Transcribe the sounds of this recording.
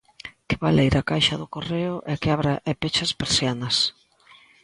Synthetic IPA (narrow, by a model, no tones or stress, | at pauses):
kɪβalejɾakajʃɐðʊkoreʊʔɛkɪaβɾaʔepet͡ʃɐspeɾsjanɐs